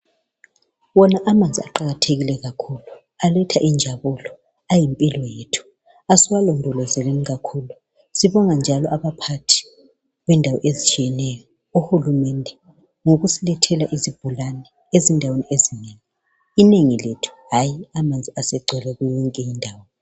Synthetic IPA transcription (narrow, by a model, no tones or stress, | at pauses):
wɔnaʔamand͡zʱiaǃaɣatʰeɣilɛɣakʰulu | alɛtʰaʔind͡ʒʱaβulɔ | ajimpʼilɔjetʰu̥ | asiwalɔndʱɔlɔzɛleniɣakʰulu | siβɔŋand͡ʒʱalɔʔaβapʰatʰi̥ | βɛndʱawɔʔezit͡ʃʼijɛnɛjɔ | uhulumɛndʱɛ | ŋoɣusilɛtʰɛlaʔizib̥ʱulanɛ | ezindʱaweniʔezineːŋi | ineŋiletʰu̥ɦajiamand͡zʱiasɛɡ͡ǀʱɛlɛɣujɔŋkʼɛjindʱaːwɔ